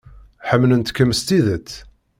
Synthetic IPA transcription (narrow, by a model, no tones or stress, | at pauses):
ħəmːlənt̪kːəməst̪iðət͡sː